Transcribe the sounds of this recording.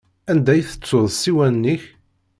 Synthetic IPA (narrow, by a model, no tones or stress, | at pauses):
ænd̪æjθə̥t͡sːʊðˤsiwænːiç